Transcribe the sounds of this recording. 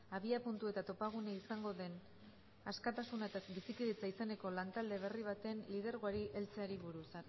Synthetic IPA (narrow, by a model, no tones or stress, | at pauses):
aβiapunt̪ue̞t̪at̪o̞paɣ̞uneisaŋɡo̞ðe̞n | askat̪asunaet̪abisikiðet͡saisene̞ko̞lant̪ald̪e̞β̞e̞riβ̞at̪e̞nliðeɾɣoaɾiʔe̞lt͡seaɾiβuɾusa